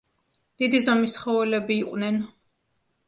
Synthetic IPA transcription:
d̪̥id̪izamisχɔvɛlɛbiːqʼvnɛn

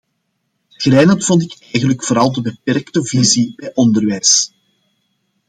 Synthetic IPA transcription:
ɣɾɛːnɑtfɔntɪkɛjɣənləkfoːɾɑlˠdəbəpɛrktəvizibɛjʔɔndərʋɛjs

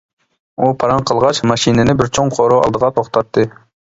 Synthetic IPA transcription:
upʰɑɾɑŋqʰəlˠʁɑt͡ʃmɑʃinɪnɪbɪɾt͡ʃʰoŋqʰoɾoɑ̰lˠd̪əʁɑt̪ʰoχt̪ʰɑt̪ʰːɨ

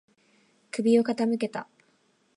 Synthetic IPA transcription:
kɯ̟bʲio̞kat̪amɯ̟ke̞t̪a

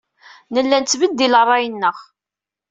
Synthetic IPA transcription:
nəlːænt͡sːvəd̪ːilərˤːɑjənːəʁ

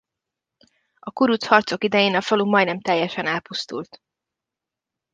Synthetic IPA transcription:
ɒkuɾut̪shɒrt̪so̞kid̪ɛjeːnɒfɒlumɒjnɛmt̪ɛjːɛʃɛnɛlpust̪ṵlt̪

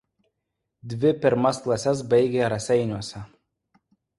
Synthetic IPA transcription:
d̪ʲʋʲɪpʲɪɾmɐsklˠɐsʲɛsbɐɪɡʲeːɾɐsʲɛɪnʲuɔsʲɛ

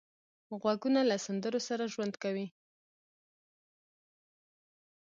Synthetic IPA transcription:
ɣwaɡunalasand̪əɾosaɾaʒwand̪kawi

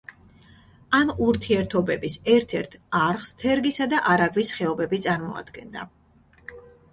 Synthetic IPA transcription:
amuɾt̪ʰiɛɾt̪ʰɔbɛbisɛɾt̪ʰɛɾt̪ʰaɾχst̪ʰɛɾɡisad̪aʔaɾaɡvisχɛɔbɛbit̪sʼaɾmɔa̰d̪̥ɡɛnd̪a̰

